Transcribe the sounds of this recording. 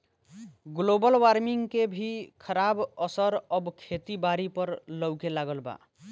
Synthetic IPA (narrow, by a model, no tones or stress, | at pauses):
ɡlobɔlwaɾmiŋkebʱikʰɔɾabɔsɔɾɔbkʰet̪ibaɾipɔɾlɔwkelaɡɔlba̰